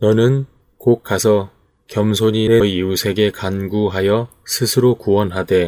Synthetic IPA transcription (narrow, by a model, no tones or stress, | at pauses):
nʌnɯn | kok̚k͈ʰasʰʌ | kjʌmsʰoɲiɾʌiiusʰe̞ɡe̞kanɡuɦajʌsʰɯsʰɯɾokuwʌnɦade̞